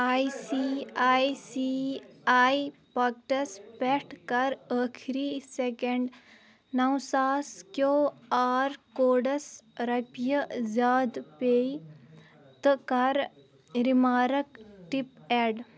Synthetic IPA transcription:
ajsiajsiajpak̚ʈɐspɛʈʰkaɾəkʰɾisekeɳɖ | nɐwsaːskjoaːɾkoːɽəsɾɐpjəzaːd̪pej | t̪əkaɾ | ɾimaːɾəkʈipɛɖ

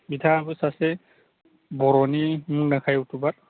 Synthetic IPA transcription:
bitʰaːbɯsasɛ | bɔɾɔnimuŋnakʰajutʰubaɾ

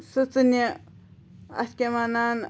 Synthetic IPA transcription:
sɨt͡sɨni | ɐ̰skʲemanan

